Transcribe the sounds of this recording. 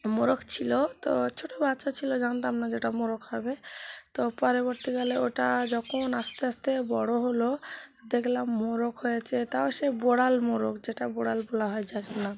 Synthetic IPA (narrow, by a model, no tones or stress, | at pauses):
moɾokt͡ɕʰilot̪o̰t͡ʃʰoʈobat̪ːʃat͡ɕʰilod͡ʒant̪amnad͡ʑeʈamoɾokʰhɔbet̪opɔɾeboɾt̪ikaleoʈad͡ʑɔkʰonast̪east̪ebɔɽoɦoloed̪ekʰlamːoɾokɦojat͡ʃʰet̪aoʃeboɽalmoɾokd͡ʑeʈaboɽalbolaɦɔed͡ʑakʰenna